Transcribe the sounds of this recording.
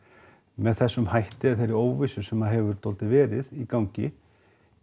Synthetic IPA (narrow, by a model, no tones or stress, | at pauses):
mɛðθɛsːʏmhajht̪ɪaðθejɾɪɾoːwvɪsʏsɛmaðɦɛvʏɾ̥t̪olt̪ɪvɛːɾɪðikawɲcɪ̰